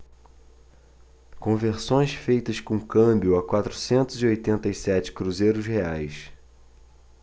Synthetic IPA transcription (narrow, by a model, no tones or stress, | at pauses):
kõveɾsõj̃sfejt̪ɐskõkɐ̃bjʊɐkwat̪ɾusẽnt̪ʊziojt̪ẽnt̪ɐisɛt͡ʃɪ̥kɾuzejɾʊsheajs